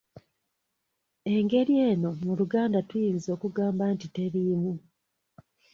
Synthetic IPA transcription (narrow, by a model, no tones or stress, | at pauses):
e̞ŋɡe̞ɾje̞ːno̞muluɡaːndatwjizo̞ːkuɡaːmbantite̞ɾimu